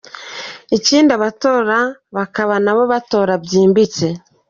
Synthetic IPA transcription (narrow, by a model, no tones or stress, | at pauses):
iciːndaβatoːɾaβakaβanaβo̞βato̞ːɾabɟiːmbit͡se̞